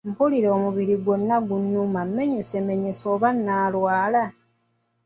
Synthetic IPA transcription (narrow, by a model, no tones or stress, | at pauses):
m̩puliɾo̞ːmuβiɾiɡwonːaɡuɲːumamːe̞ɲesemeɲesoːβanːaːlwaːla